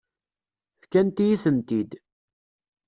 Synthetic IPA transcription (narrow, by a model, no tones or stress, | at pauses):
θkænt̪ijiθənt̪id̪